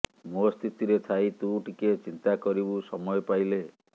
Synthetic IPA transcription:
muɔst̪ʰit̪iɾet̪ʰajt̪ũʈiket͡ʃint̪akɔɾibusɔmɔjpajle

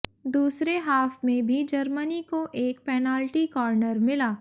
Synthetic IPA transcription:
d̪uːsɾeɦaːfʰmẽbʱid͡ʒɐɾmənikoʔeːk̚pɛːnaːlʈikɔːɾnəɾmɪlaː

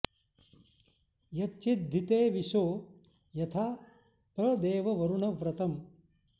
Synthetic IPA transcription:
jɐt͡ʃːt͡ʃːit̪̚d̪ʱit̪eːʋiʃoː | jɐt̪ʰaː | pɾɐd̪eːʋɐʋɐɾuɳɐʋɾɐt̪ɐm

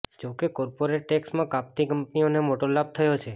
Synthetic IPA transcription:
d͡ʒokekɔɾpoɾeʈːeksmãkap̚t̪ikəmpnionemoʈolab̚t̪ʰəjot͡ʃʰe

